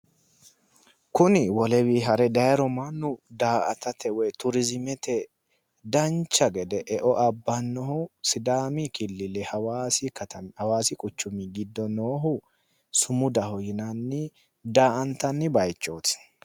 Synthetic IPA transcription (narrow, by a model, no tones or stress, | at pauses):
kʊnɪwɔlɛwiːɦɐɾɛd̪ɐjɐɾɔmanːʊd̪aːʔɐ̰t̪ɐt̪ʰɛwɔjt̪ʊɾɪzɪmɛt̪ɛ | d̪ɐnt͡ʃːɐɡɛd̪ɛʔɛʔɔʔɐbːɐnːɔhʊsɪd̪aːmikɪlːɪlɛhɐwaːsɪkɐt̪ɐhɐwaːsɪkʼʊt͡ʃːʊmɪɡɪd̪ːɔnoːɦʊ | sʊmʊd̪ɐhɔjɪnɐnːɪ | d̪aːʔɐnt̪ɐnːɪbɐjt͡ʃːoːt̪